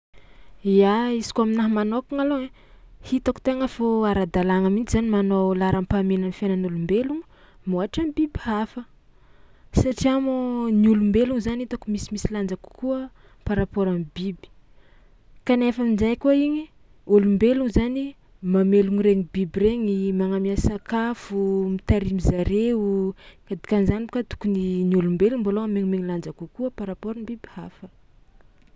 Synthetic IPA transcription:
iaisi̥kuaminaɦmanokuŋaloe | hit̪aku̥t̪eŋəfoaɾad̪alaŋamint͡ʃizanimanowlaɾampamenanifenanulumbeluŋu̥ | moɦaʈ͡ʂamibibhafə | saʈ͡ʂiamoniulumbeluŋzaniit̪akumisimisiland͡zaku̥kuə | paɾapoɾamibibi̥ | kanefaminzajkuiɲi | ulumbeluŋzani | mameluŋiɾeɲibibiɾeɲimaŋamiasakafumit̪aɾimizaɾeukad̪i̥kanzanikat̪u̥kuniniulumbeluŋbaloameɲimeɲiland͡zakukuəpaɾapoɾambibihafə

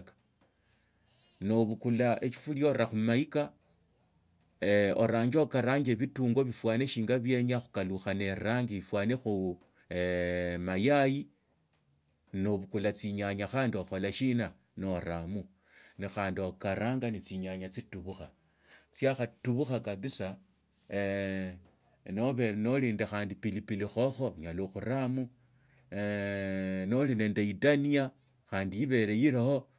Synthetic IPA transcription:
kḁ | no̞βukulaet͡ʃi̥fuljo̞ɾaxumaika | eo̰ɾaːɲd͡ʒokaɾaːɲeβituːŋɡo̞βifwaːneʃiːŋɡaβje̞ɲaxu̥kaluxane̞ɾaːŋɡiβifwaːnexu | majaji | noβukulat͡siɲaɲaxaːndioxo̞laʃina | noɾamu | nixaːndiokaɾaːŋɡanit͡siɲaɲat͡situβuxa | t͡sjaxatuβuxakaβisa | no̞βeno̞liːndaxaːndipilipilixo̞xo̞ɲaloxuɾamu | nolinendaidanija | xaːndijiβe̞ɾejiɾaho̞

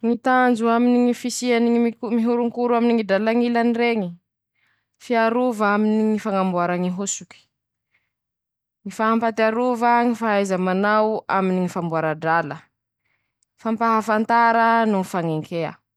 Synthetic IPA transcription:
ŋit̪and͡ʒuaminiŋifisianiiiumiɦuɾuŋkuɾuaminiŋidalaŋilanireŋi | fiaɾuvaminiŋifaŋambuaɾaŋiɦusuki̥ | ŋifaɦampat̪iaɾuvəŋifaajzəmanawaminiŋifambuaɾaɖ͡ʐalə | fampaɦafant̪aɾənuifaŋeŋkʰeə̰

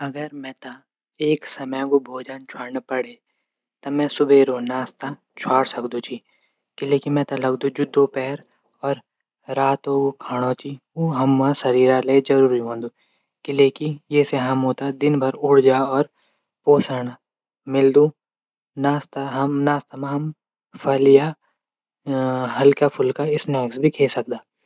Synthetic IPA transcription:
ɐɡəɾmɛ̃ːt̪a | eːksɐməjɡobʱoːd͡ʒant͡ʃʰwaɽnpɐɽe | t̪ɐmɛ̃sʊbeːɾonaːst̪a | t͡ʃʰaːɽsɐkd̪ũt͡ʃʰi | kileːkimɛ̃ːt̪alɐɡd̪ũd͡ʒʊd̪ʱːopɛːɾ | ɔːɾ | ɾaːt̪oɡokʰaːɽ̃ot͡ʃʰi | uːɦɐmːãsɐɾiːɾaled͡ʒɐɾuːɾiɦõːnd̪uː | kileːkijeːseɦɐmɦoːt̪ad̪ɪnbʱɐɾʊɽd͡ʒaɔːɾ | poːsəɳ̃ | mɪld̪ũ | naːst̪naːst̪amãɦɐm | pʰɐlja | ɦɐlkapʰʊlkaɪsnɛːksbʱikʰeːsɐk̚d̪aː

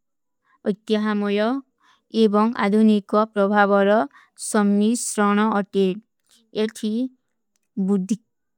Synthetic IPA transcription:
ʌjt̪jʌɦamɔjɔ | ebɔŋa̰d̪ʱunikɔpɾɔbʱabɔɾɔ | sɔmnisɾɔɽ̃ɔːʈeʈ | eʈʰi | bud̪ʱːi

